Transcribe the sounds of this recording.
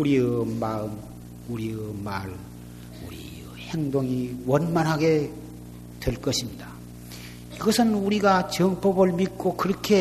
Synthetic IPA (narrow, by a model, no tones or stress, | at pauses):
uɾiɯmaɯm | uɾiɯmaɭ | ṵɾḭ | he̞ŋdoŋiwʌnmanɦaɡe̞ | twe̞ɭk͈ʌɕʰimɲida | iɡʌsʰɯnuɾiɡat͡ɕʌŋpʌbɯɭmik̚k͈okɯɾʌkʰe̞